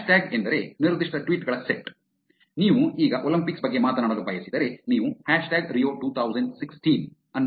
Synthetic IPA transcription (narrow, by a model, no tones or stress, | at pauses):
ʃʈaːɡend̪ɐɾe̞niɾd̪iʂʈɐʈʋiːʈɡɐɭɐseʈ | niːʋuiːɡɐʔolɐmpiksbɐɡːe̞maːt̪ɐnaːɽɐd̪ubʱɐːjɐsid̪ɐɾe̞niːʋuhaːʂʈaːɡɾijoːʈuːt̪ʰɐwzɐɳɖsiksʈin | ɐn